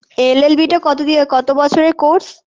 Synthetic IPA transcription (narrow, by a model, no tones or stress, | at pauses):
elelbiʈakɔt̪od̪iokɔt̪obɔt͡ɕʰoɾekoɾs